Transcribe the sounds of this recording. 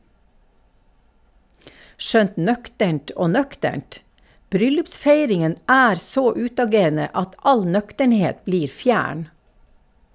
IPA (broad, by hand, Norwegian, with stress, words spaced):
ˈʃœnt ˈnœktəɳt ˈoː ˈnœktəɳt ˈbɾʏlʉpˌsfeɪɾɪŋən ˈæːɾ ˈsoː ˈʉːtɑˌɡeːɾnə ˈɑt ˈɑl ˈnœktəɳˌheːt ˈbliːɾ ˈfjæːɳ